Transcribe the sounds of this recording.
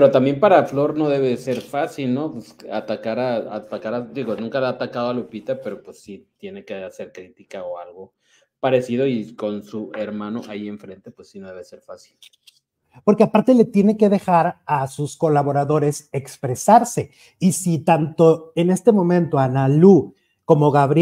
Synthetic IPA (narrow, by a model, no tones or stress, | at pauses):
peɾot̪ambje̞mpaɾaflo̞ɾno̞ðe̞βeðseɾfasilno̞pwesat̪akaɾaa̰t̪akaɾad̪iɣo̞nũŋkalaːt̪akaðoalupit̪ape̞ɾo̞pwesːit̪je̞nekease̞ɾkɾit̪ikaoalɣo̞ | paɾe̞siðo̞iko̞nsue̞ɾmãnoʔajie̞ɱfɾe̞nt̪e̞pwesːinoðe̞seɾfasil | po̞ɾke̞apaɾt̪e̞le̞t̪je̞ne̞ke̞ðe̞xaɾasusko̞laβo̞ɾaðo̞ɾe̞se̞kspɾe̞saɾse̞ | isit̪ant̪o̞ene̞st̪emõ̞mẽ̞nt̪o̞analu | ko̞mo̞ɣaβɾ